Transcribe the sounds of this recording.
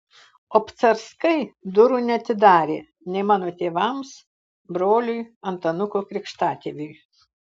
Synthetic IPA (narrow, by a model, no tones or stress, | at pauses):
oːpt̪sɐɾskɐɪd̪ʊɾunʲɛɐt̪ʲɪd̪ɑːɾʲeː | nʲɛɪmɑːnoːt̪ʲeːʋɐms | bɾoːlʲʊjɐnt̪ɐnʊkoːkɾʲɪkʃt̪ɑːt̪ʲeːʋʲʊj